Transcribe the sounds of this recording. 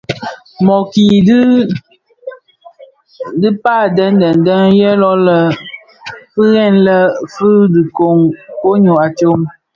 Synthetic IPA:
mɔ˨ki˨d | dɨ˦pa˦˨dɛ˦n˦dɛ˨n˨dɛ˦ŋjɛ˦lɔ˦lə˨ | fɨ˦ɣɛ˦˨nlə˦fɨ˦dɨ˨ko˨ŋko˦ɲo˨a˨t͡ʃo˦m

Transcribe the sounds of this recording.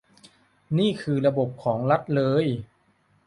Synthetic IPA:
niː˥˩kʰɯː˧ɾa˧bo˨˩p̚kʰɔː˩˦ŋɾa˦˥t̪̚lɤː˧j

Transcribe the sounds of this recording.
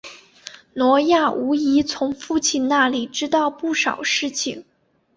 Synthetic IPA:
nwɔ˧˥ja˥˩u˧˥i˧˥t͡sʰʊ˧˥ŋfu˥˧t͡ɕʰi˥˧nna˥˩li˨˩ʈ͡ʂɻ̩˥t̪ɑ˥˧ʊpu˥˩ʂɑ˨˩ʊʂɻ̩˥˩t͡ɕʰi˨˩ŋ

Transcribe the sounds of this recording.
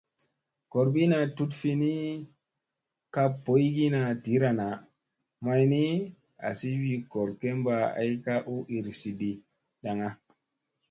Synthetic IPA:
ko˨ɾbi˦na˧tu˦tfi˧ni˦ | ka˦po˨˦ji˦ɡi˦na˧ti˨˦ɾa˨na˨ | ma˧jni˦ | a̰˨si˦wi˧ko˨ɾke˦mba˧a̰˦jka˦ʔu˦ʔi˨ɾsi˨di˨ | ɗa˨ŋa˦

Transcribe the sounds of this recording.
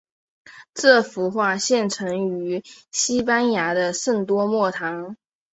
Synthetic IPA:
ʈ͡ʂɤ˥˩fu˧˥xwa˥˧ɕjɛ˥˩nʈ͡ʂʰɤ˧˥ŋy˧˥ɕi˥pa˥nja˧˥d̪ə˧ʂə˥˩ŋt̪wɔ˥mwɔ˥˩t̪ʰɑ˧˥ŋ

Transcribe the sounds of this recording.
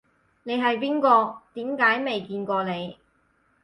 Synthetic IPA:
ne˨˧jɦɐ˨jp̬iː˥nkɔː˧t̪iː˨˥mkaː˨˥jme˨jkiː˧nkɔː˧ne˨˧j

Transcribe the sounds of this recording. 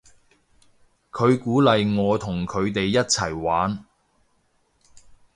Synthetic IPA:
kʰɵ˨˧ɥkuː˨˥lɐ˨jŋɔː˨˧t̪ʰʊ˨˩ŋkʰɵ˨˧ɥt̪e˨jːɐ˥t̚t͡sʰɐ˨˩jwaː˨˥n

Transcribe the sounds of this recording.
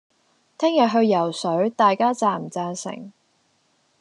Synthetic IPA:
t̪ʰɛː˥ŋjɐ˨t̚ɦɵ˧ɥjɐ˨˩wsɵ˨˥ɥt̪aː˨jkaː˥t͡saː˨˩m̩˨t͡saː˧nsɪ̰˨˩ŋ

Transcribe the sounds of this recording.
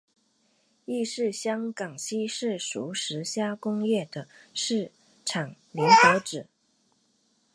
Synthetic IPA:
i˥˧ʂɻ̩˥˩ɕjɑ˥ŋkɑ˨˩ŋɕi˥ʂɻ̩˥˩ʂu˧˥˩ʂɻ̩˧˥ɕja˥kʊ˥ŋjɛ˥˩d̪ə˩ʂɻ̩˥˩ | ʈ͡ʂʰɑ˨˩ŋlɛ˧˥nxɤ˧˥ʈ͡ʂɻ̩˨˩˦

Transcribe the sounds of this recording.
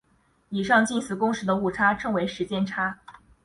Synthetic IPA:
i˨˩ʂɑ˥˧ŋt͡ɕi˥˩nsɹ̩˨˩kʊ˥ŋʂɻ̩˧˥d̪ə˧u˥˩ʈ͡ʂʰa˥ʈ͡ʂʰɤ˥ŋwe˧˥ɪʂɻ̩˧˥t͡ɕjɛ˥˧nʈ͡ʂʰa˥

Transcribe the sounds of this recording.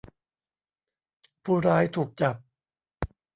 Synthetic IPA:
pʰuː˧˩ɾaː˦˥jt̪ʰuː˨˩k̚t͡ɕa˨˩p̚

